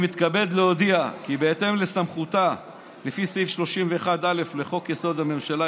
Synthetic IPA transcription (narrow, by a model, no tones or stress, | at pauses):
mit̪kabe̞d̪leod̪iakibeet̪e̞mle̞samχut̪a | lefisifʃlo̞ʃimveːχad̪ale̞fle̞χo̞kjeso̞d̪ame̞mʃala